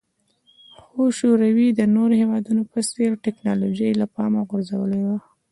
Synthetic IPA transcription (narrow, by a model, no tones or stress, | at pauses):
xoʃoɾawid̪ənoɾohewɑd̪unopəseɾʈɪknɑlod͡ʒajlapɑmaɣʊɾzawəlewa